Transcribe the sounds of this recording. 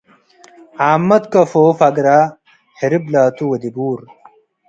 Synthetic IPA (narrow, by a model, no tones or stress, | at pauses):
aːmːɐt̪kɐfoːfɐɡɾaː | hiɾiblaːt̪uwɐd̪ibuːɾ